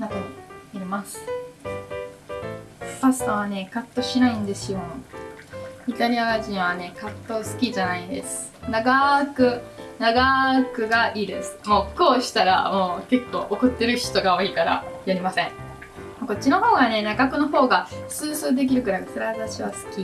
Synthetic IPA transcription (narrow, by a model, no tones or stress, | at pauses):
nakɯɲiiɾʲimasɨ̥ | pasɨ̥t̪aβane̞kat̪ːo̞ɕinaĩnd̪e̞sɨjo̞ | it̪aɾʲiaɡaʑĩɰ̃β̞ane̞kat̪ːo̞sɨ̥kʲiʑanaid̪e̞̰sɨ̥ | naɡakɯ̟naɡakɯ̟ɡaʔiːd̪e̞sɨ̥mo̞ːkoːɕi̥t̪aɾa̰mo̞ːke̞kːo̞̰ːʔokɯ̟t̪ːe̞ɾɯ̟çi̥t̪o̞ɡaoːiːkaɾa̰jaɾʲimasẽ̞ŋ̃ | mako̞t͡ɕːino̞ho̞ːɡane̞naɡakɯ̟no̞ho̞ːɡasɨːsɨːd̪e̞k̬ʲiɾɯ̟ɡɯɾakasɨɾaβat̪aɕiβasɨ̥kʲi